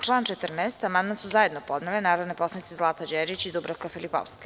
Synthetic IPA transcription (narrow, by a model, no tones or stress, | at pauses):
t͡ʃlˠaːnt͡ʃet̪r̩nɛːst̪amand̪mansuzaje̞d̪nopo̞d̪nalenaːɾod̪nepo̞sait̪sezlˠaːt̪ad͡ʒeɾit͡ɕid̪ubɾafkafilipo̰ʋske̥